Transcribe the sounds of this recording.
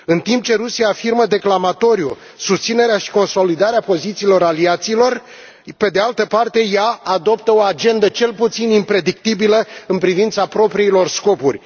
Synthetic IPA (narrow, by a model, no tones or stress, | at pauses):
ɨnt̪imp̚t͡ʃe̞ɾusijaːfirməd̪e̞klamat̪o̞ɾju | sust̪sine̞ɾeaʃi̥ko̞nso̞lid̪aɾeapo̞zit̪siːlo̞ɾaliat̪siːlo̞r | pe̞d̪e̞alt̪əpart̪e̞jaːd̪o̞p̚t̪əo̞ad͡ʒe̞nd̪ət͡ʃe̞lput̪sinimpɾe̞d̪ik̚t̪ibiləɨnpɾivint̪sapɾo̞pɾiilo̞rsko̞purʲ